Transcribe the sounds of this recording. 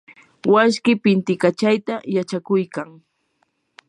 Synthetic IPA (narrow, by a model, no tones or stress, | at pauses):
waskɪpɪnt̪ɪkat͡ʃajt̪ajat͡ʃakʊjkaŋ